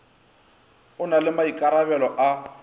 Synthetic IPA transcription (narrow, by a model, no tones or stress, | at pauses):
ʊnalɪmaikʼaɾabɛlɔʔa